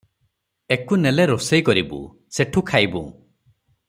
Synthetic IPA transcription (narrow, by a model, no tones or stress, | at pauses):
ekuneleɾosejkɔɾibṵ | seʈʰukʰajbṵ̃